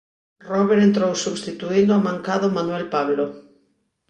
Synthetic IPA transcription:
rɔβeɾent̪ɾowsuβst̪it̪uind̪oamãŋkaðomanwɛlpaβlo

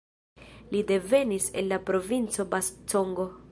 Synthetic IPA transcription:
lide̞ve̞nise̞̰nlapɾo̞vint͡so̞basto̞ŋɡo̞

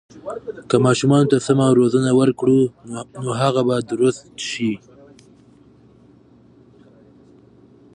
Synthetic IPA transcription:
kamɑʃumɑnot̪asamaɾozənawəɾkɽunoɦaɣabad̪ɾʊst̪ʃi

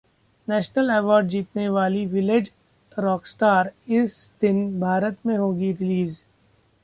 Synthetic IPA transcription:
nɛːʃnəlɛːʋɔːɾɖ̚d͡ʒiːt̪neʋaːliʋɪled͡ʒ | ɾɔːksʈaːɾɪsd̪ɪnbʱaːɾət̪mẽɦoːɡiɾɪliːz

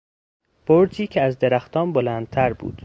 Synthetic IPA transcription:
b̥oɾt̪ʰiːcʰeæzd̪e̞ɾæxt̪ʰɒːnbolæːnd̪̥̚t̪ʰæɾbṵːd̪̥

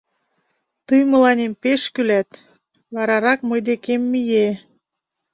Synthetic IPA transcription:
t̪ɯjmə̆lɑnʲempeʃkylæt̪ | βɑɾɑɾɑkmɤjd̪ekemːije

